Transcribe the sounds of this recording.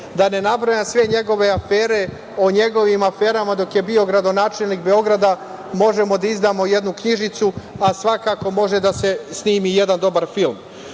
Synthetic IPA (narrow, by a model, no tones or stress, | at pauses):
d̪ane̞nabɾajamsʋe̞ɲe̞ɡo̞ʋe̞afeːɾe̞ | oɲe̞ɡo̞ʋimafe̞ːɾamad̪o̞kje̞bio̞ɡɾad̪o̞naːt͡ʃe̞lnikbe̞o̞ɡɾad̪a | mo̞ʒe̞mo̞d̪aizd̪aːmo̞je̞d̪nukɲiʒit̪suasʋakako̞mo̞ʒe̞d̪ase̞sniːmije̞d̪and̪o̞baɾfilm